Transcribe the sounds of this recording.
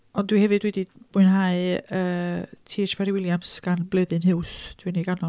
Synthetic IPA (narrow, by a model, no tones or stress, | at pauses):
ɔndwihɛvɨdwɛdimʊɨnɦaɨəːtʰiːʃpʰɛɾiwɪlˠjamsɡ̥anblˠəðɨnhɪwsd̥winiɡanɔ